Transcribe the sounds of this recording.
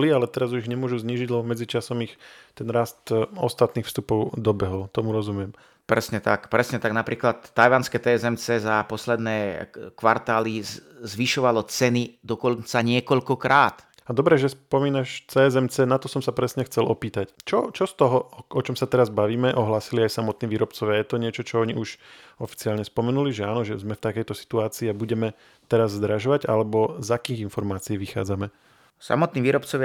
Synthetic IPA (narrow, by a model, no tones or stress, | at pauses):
lialɛt̪ɛɾazuiʒɲɛmʊɔʒuzɲiːʒiɟlɛbɔmɛd͡zit͡ʃasɔmixt̪ɛnɾast̪ɔ̰st̪at̪niːxfst̪upɔʊd̪ɔbɛɦɔlt̪ɔmuɾɔzumujɛm | pɾɛsɲɛt̪a̰kpɾɛsɲɛt̪aɡnapɾʔiːklat̪ːajʋanskɛt̪ɛɛzɛmt͡sɛzapɔslɛd̪nɛːkʋaɾt̪aːlizʋiʃɔʋalɔt͡sɛnid̪ɔkɔnt͡saɲɪɛkɔʎkɔkɾaːt̪ | ad̪ɔbɾɛʒɛspɔmiːnaʃt͡sɛːɛzɛmt͡sɛnat̪ɔsɔmsapɾɛsɲɛxt͡sɛlʔɔpiːt̪act͡ʃɔt͡ʃɔst̪ɔɦɔɔt͡ʃɔmsat̪ɛɾazbaʋiːmɛʔɔɦlaːsiliajsamɔt̪niːʋiːɾɔpt͡sɔʋɪajɛt̪ɔɲɪɛt͡ʃɔt͡ʃɔɔɲiʔuʃɔfi̥t͡siaːlɲɛspɔmɛnuliʒɛaːnɔʒɛzmɛft̪akɛjt̪ɔsi̥t̪uaːt͡siːabuɟɛmɛ | t̪ɛɾazːd̪ɾaʒɔʋaɟa̰lɛbɔzakiːɣinfɔɾmaːt͡siɛʋixa̰ːd͡zamɛ | sa̰mɔt̪niːʋiːɾɔpt͡sɔʋja